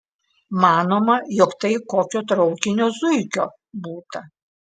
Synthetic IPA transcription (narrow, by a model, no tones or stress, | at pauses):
mɑːnoːmɐjɔkt̪ɐɪkoːkʲoːt̪ɾɐʊkʲɪnʲoːzʊɪkʲoː | buːt̪ɐ